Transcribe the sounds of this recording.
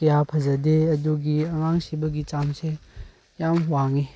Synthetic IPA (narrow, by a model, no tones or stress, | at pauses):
kjapʰɐzɐdeɐduɡiɐŋaŋsibɐɡit͡ʃamse | jamwaŋi